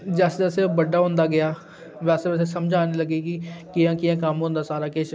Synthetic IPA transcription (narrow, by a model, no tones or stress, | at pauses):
d͡ʒɛːsəsebəɖaːɦʊ̃ːnd̪aːɡɪaː | ʋɛːseːɛːs̬eːsəmd͡ʒaːniːləɡeːkɪkɪjãːkɪjãːkəmɦõːnd̪aːsaːɾaːkɪʃ